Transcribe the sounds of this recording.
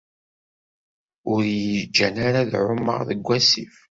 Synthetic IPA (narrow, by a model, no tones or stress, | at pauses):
ʊɾjəd͡ʒːænaɾaðʕʊmːə̰ʁðəɡʷːæsif